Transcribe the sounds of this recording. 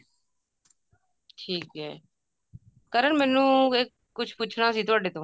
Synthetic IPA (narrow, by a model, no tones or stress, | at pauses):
ʈʰiːkɦɛ̰ː | kəɾəɳmɛ̃ːnũːeːkːʊt͡ʃʰpʊt͡ʃʰɽaːsiːt̪ʊaːɖeːt̪õː